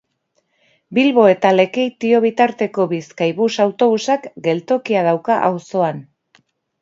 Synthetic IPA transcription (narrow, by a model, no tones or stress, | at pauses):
bilβo̞e̞t̪ale̞ke̞jt̪io̞β̞it̪aɾt̪e̞ko̞βiskajβusawt̪o̞β̞usakɡe̞lt̪o̞kiaðawkaʔawso̞an